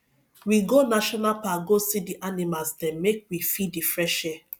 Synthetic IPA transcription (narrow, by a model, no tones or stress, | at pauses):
wiɡonaʃɔnalpaɡosidiʔanimazdɛmmek̚wifidifɾɛʃɛ